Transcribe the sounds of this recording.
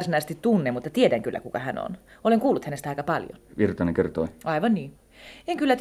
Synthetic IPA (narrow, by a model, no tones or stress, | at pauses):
rsinɑisest̪it̪t̪unːemut̪ːɑt̪iedæŋkylːæ̰kukɑ̰hæ̰no̰noleŋkuːlːut̪hænest̪æɑˑikɑpɑljo̰nʋirt̪ɑneŋkert̪o̰iɑiʋɑnniː | eŋkylːæt̪